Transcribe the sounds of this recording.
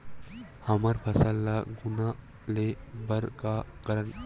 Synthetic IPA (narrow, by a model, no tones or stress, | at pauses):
hɐmɐɾpʰɐsəlːaɡʊna | lebɐɾkakɐɾən